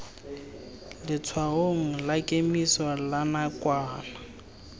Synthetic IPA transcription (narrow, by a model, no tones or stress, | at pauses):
lɪt͡sʰwaɦoŋ̩lakʼemiswalanakʼwaːna